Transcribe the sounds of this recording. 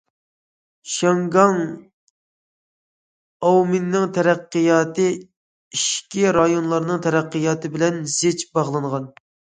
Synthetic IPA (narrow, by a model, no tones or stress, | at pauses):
ʃɑŋɡɑŋ | ɑwmɪnːɪŋt̪ʰɛɾæqːɨjɑːt̪ɨ | iʃkʲiɾɑjonlˠɑɾnɨŋt̪ʰɛɾæqːɨjɑːt̪ɨbɪlɛnz̥et͡ʃbɑʁlˠɨɴʁɑn